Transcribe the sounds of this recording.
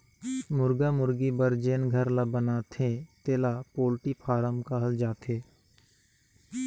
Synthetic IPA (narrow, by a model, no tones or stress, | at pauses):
mʊɾɡamʊɾɡibəɾd͡ʒeːnɡʱəɾlabənaːt̪ʰẽt̪eːlapoːlʈipʰaːɾəmkaɦəld͡ʒaːt̪ʰeː